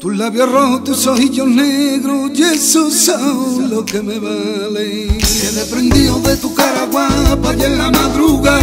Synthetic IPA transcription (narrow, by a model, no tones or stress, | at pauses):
t̪ullaβjorohot̪usohiʎoneɣɾoʝesusalokemeβa | le | eðepɾẽnd̪ioðet̪ukaɾaɣwapajelːamaðɾuɣa